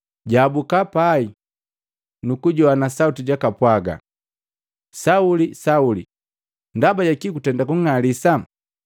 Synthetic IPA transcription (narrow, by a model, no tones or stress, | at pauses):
ɟabukapai | nukuɟɔanasautiɟakapwaɡa̰ | saulisauli | ndabaɟakikutɛndakuŋalisa